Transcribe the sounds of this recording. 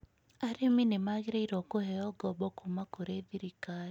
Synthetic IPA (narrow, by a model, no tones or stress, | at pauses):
aɾeminemaɣeɾeiɾokohɛjɔɡɔbɔkumakoɾeðiɾikaɾi